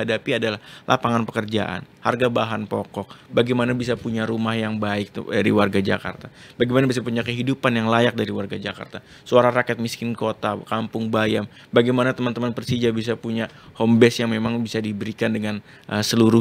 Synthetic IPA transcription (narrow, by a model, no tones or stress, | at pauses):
adapiadalahlʔa̰paŋanpəkərd͡ʒa̰ʔa̰nha̰rɡabaɦanpɔ̰kɔk̚baɡajmanabis̬apuɲaɾumahjaŋbaɪk̚daɾḭwarɡad͡ʒa̰ka̰rt̪a | b̥aɡijmanabis̬apuɲakəɦidupanjaŋlajak̚daɾiwarɡad͡ʒaka̰rt̪a | suaɾaɾakɛt̪̚miskɪnkot̪akampʊŋbajam | baɡajmanat̪əmant̪əmanpərsid͡ʒabis̬apuɲa | hɔmbɛsjaŋmemaŋbisadibəɾikandəŋan | ʔəsəluɾʊ